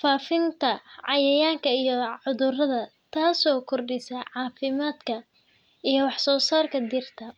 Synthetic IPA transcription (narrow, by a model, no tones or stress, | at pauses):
faːfɪnt̪ʰɐʕɑjɛjaːŋkʰɐijɔʕʊðʊrɐðɐt̪ʰaːsɔːkʰɔrɖɪsɐʕɑːfɪmaːd̪kʰɐ | ʔijɞwɑħsɔːsaːrkʰɐd̪ɪrt̪ʰɐ